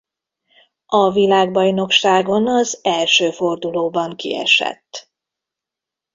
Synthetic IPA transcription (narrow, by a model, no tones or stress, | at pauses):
ɒvilaːɡbɒjno̞kʃaːɡo̞nɒzɛlʃøːfo̞rd̪uloːbɒŋkḭɛ̰ʃɛ̰t̪ː